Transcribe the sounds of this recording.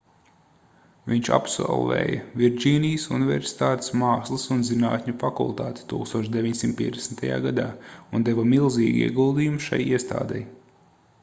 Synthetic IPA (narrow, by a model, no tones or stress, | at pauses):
viɲt͡ʃa̰psɔ̰lˠvɛ̰ːjɐ̰vʲiɾd͡ʒiːnijsṵnivʲɛ̰ɾsi̥t̪aːt̪e̥smɑːslˠɨsunzinaːt̪ʲɲufakṵlˠt̪aːt̪ʲɪ̥t̪ṵːkst̪uɔʃd̪evʲiɲsimt̪̚pʲiɛd̪esnt̪ʰaja̰ːɡad̪aːund̪eʋɐmilˠzḭːɡʲḭɛɡulˠd̪iːjumʃa̰jiɛst̪a̰ːd̪ɛj